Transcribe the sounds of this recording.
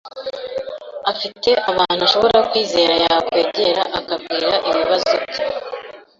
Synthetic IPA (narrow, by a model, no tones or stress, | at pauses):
afite̞ʔaβaːn̥huaʃo̞βo̞ɾaokwiːze̞ːɾajakwe̞ːɟe̞ɾaʔakab̚ɡiːɾaʔiβiβazoɡ